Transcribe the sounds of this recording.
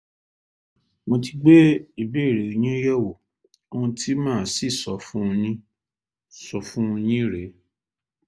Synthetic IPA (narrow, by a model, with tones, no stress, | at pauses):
mo˧ti˧ɡ͡be˦i˦˨be˦˨ɾe˨o˨j̃ĩ˦jɛ˦wo˨ | o˦wũ˧tʰi˦mãː˦˨si˦˨sɔ˨˦fũ˦˧nĩ˦ | sɔ˨fũ˦˧ɲ̃ĩ˦ɾe˨˦